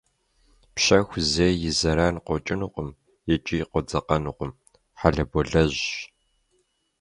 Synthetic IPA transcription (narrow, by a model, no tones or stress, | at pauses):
pɕɐxʷzeːjɪzɐɾaːnqʷɔt͡ʃʼɪnuqʷʊm | jɛt͡ʃʼijqʷɔd͡zɐqɐnuqʷʊm | ħaɮɐbɔɮɐʑ